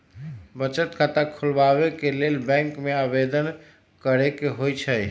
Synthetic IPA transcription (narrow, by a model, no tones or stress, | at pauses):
bət͡ʃət̪kat̪akʰulbaβekelelbɛ̃ŋkmeabed̪ən | kəɾekeɦojt͡ʃʰəj